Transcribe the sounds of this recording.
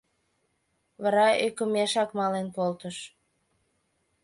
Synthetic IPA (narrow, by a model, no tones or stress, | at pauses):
βɑɾɑekə̆meʃɑkmɑlenpolt̪əʃ